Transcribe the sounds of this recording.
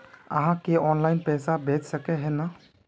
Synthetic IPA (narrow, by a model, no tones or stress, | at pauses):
ə̰ɦãkeʔɔnlaɪjnpɛsabʱet͡ʃsəkeɦena